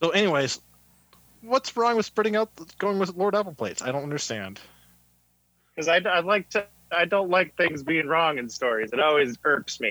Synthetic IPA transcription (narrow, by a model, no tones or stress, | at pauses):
soʊɛniweɪz̥ | wʌtsɹɔ̃ŋwɨð̥spɹɪɾɪ̃ŋaʊt̪̚ɡ̥oʊɪ̃ŋwɨðlɔɹɾæpl̩ˠpʰl̥eɪtsaɪɾõʊ̃ntʌndə˞stæ̃nd̥ | kʰʌzaɪdaɪlaɪk̚tʰɨ | aɪdõʊ̃ntˡlaɪk̚θɪ̃ŋzbiɪ̃ŋɹɔ̃ŋɨ̃nstɔɹizɨɾɔlˠwizɜ˞ksmi